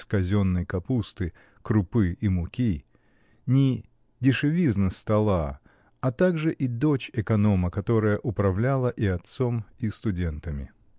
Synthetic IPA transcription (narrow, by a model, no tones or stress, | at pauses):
skɐzʲo̞nːɨjkɐpust̪ɨ | kɾʊpɨimʊkʲi | nʲɪ | dʲɪʂɨvʲiznəst̪ɐlˠa | ɐt̪aɡʐɨʔid̪ot͡ɕɪkɐno̞məkɐt̪o̞ɾəjəʔʊpɾɐvlʲalˠəʔiɐt̪somist̪ʊdʲe̞nt̪əmʲɪ̰